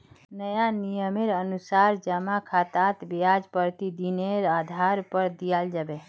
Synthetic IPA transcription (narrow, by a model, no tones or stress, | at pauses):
nəjanijəmeɾənusaɾd͡ʒəmakʰat̪at̪biad͡ʒpəɾt̪id̪ineɾad̪ʱaɾpəɾd̪ijald͡ʒabe